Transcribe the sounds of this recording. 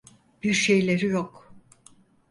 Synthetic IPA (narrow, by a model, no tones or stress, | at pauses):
b̥iɾʃejlʲe̞ɾijok